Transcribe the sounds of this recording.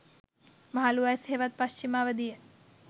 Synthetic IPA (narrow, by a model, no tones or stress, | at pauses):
maɦaluajsheːʋat̪̚paʃt͡ʃimaːʋəd̪ijə